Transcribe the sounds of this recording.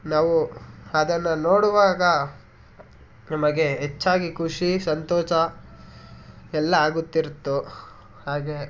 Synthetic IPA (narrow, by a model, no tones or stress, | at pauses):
naːʋuɐd̪ɐnːɐnoːɽuʋaːɡɐ | nɐmɐɡe̞ɦet͡ʃːaːɡikʰuʂisɐnt̪ɔːt͡ʃɐ | ɛlːɐaːɡut̪ːiɾt̪ːu | haːɡe